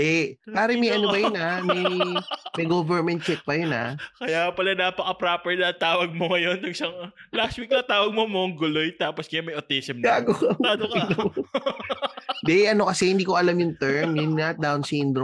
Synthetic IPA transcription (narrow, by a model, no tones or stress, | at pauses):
d̪ɛpaːɾɛmɐjʔɐnobɐjonamɐjmɐjɡovɛɾmɛnt̪̚t͡ʃɛk̚pɐjona̰kɐjapɐlanaːpɐkɐpɾaːpɛɹnɐt̪aːwɐɡ̚moŋɐjonːɐɡsɐŋlast̪wik̚nɐt̪aːwɐɡ̚momoŋɡʊlojt̪aːposkɐjamɐjʔot̪isɛmaːɡokɐaɐno | d̪ɛʔɐno̞kɐsɛhɪnd̪iːko̞ʔɐlamjʊŋt̪ɛɹmjʊnŋad̪awnsind̪ɾo